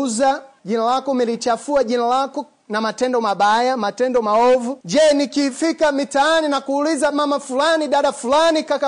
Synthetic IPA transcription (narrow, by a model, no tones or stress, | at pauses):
zaʄinalakɔmilit͡ʃafuaʄinalakɔ | namatɛndɔmaɓajamatɛndɔmaɔvud͡ʒɛnikiːfikamitaːninakuːlizamamafulaniɗaɗafulanikaka